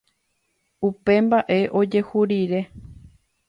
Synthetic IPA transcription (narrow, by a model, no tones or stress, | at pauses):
upe̞mbaʔe̞ʔo̞d͡ʒe̞huɾiɾe̞